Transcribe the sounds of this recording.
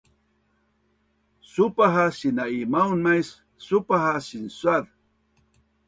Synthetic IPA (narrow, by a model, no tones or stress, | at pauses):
supaɦasinaimawnmajsː | upaɦasinswað